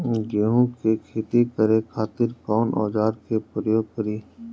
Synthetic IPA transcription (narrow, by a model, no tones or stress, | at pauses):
ɡeːɦũkekʰeːt̪ikəɾekʰaːt̪ɪɾkɔːnʔɔ̰ːd͡ʒaːɾkepɾəjoːɡ̚pəɾiː